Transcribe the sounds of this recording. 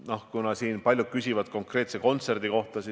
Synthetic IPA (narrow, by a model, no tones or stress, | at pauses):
no̞hkunɑsiːnpɑlʲjud̪̚kysʲivɑd̪̥̚ko̞ŋkre̞ːt̪se̞ko̞nt̪se̞rd̪̥iko̞ht̪ɑsi